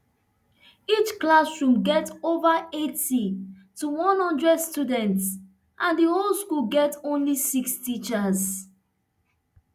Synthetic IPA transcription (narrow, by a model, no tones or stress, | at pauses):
it͡ʃklasɹũmɡɛtovəeti | tuwɔ̃nhʌ̃ndɹɛdstudɛ̃nts | ʔãnðiholˠskulɡɛtõnlisikstit͡ʃəz